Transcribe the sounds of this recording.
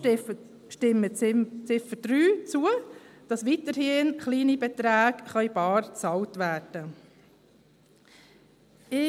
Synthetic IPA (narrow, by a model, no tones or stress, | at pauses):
ʃtɪmːət͡sɪfəd̥ryːt͡suəd̥ɑsʋitəɾhɪnχliːnibɛt̪ɾæːɡχœʏb̥ɑːrt͡sɑltʋæːrd̥ə | ɪ